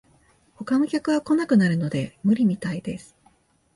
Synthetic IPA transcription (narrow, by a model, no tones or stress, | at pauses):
ho̞kano̞kʲakɯ̟βako̞nakɯ̟naɾɯ̟no̞d̪e̞mɯ̟ɾʲimʲit̪aid̪e̞sɨ̥